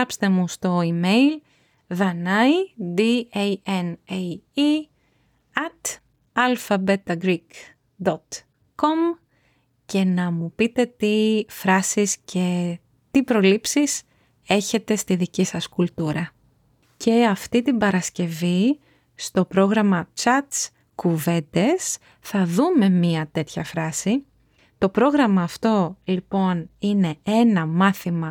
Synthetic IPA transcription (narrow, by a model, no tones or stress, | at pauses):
ɐpst̪e̞must̪o̞imejl | ðɐnɐjd̪ieenei | ɐt̪ | ɐlfɐbe̞t̪ɐɡɾik | d̪ot̪ | ko̞m | ce̞nɐmupit̪e̞t̪ifɾɐsiscʰe̞ | t̪ipɾo̞lipsis | e̞çe̞t̪e̞st̪iðicisɐskult̪uɾɐ | ce̞ɐft̪it̪ibɐɾɐsce̞vi | st̪o̞pɾo̞ɣɾɐmɐt͡ʃɐt̪s | kuve̞nd̪e̞s | θɐðume̞miɐt̪e̞t̪çɐfɾɐsi | t̪o̞pɾo̞ɣɾɐmɐːft̪o̞lipo̞nine̞e̞nɐmɐθimɐ